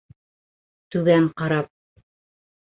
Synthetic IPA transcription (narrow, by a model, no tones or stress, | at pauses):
t̪ʉðæɴqɑɾɑp̚